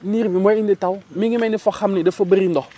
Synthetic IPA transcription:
niɾibimʷɛinditawumiŋimɛnifɔxamnidəfəbəɾindɔ

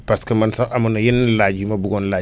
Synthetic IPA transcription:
paskamansaʔamunajenlad͡ʒimabuɡɔnla

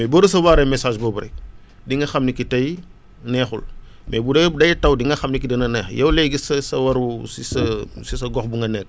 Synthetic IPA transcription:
mɛboːɾɐs̬ɐwaːɾɐmɛsaːʃbɔːbuɾɛ̰k | diŋɡɐxɐmnikitɐj | nɛːxṵl | mʔɛ̰budɐdɐjtɐwdiŋɡɐxɐmnikidɐnɐnɛːxjɐwlɛɡisɐsɐwɐɾusisɐsisɐɡɔxbuŋɡɐnɛk̚

